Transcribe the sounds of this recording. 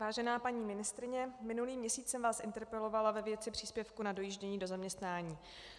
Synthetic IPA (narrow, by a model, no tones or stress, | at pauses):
vaːʒɛnaːpaɲiːmɪnɪst̪ɾɪɲɛmɪnuliːmɲɛsiːt͡ssɛmvaːsʔɪnt̪ɛɾpɛlo̞valavɛvjɛt̪t͡sɪpr̥iːspjɛfkunado̞jiːʒɟɛɲiːdo̞zamɲɛst̪naːɲiː